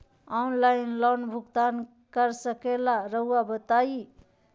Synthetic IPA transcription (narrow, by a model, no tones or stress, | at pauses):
ɔnlajnlɔnbʱuɡt̪an | kəɾsəkelaɾəuwabət̪ai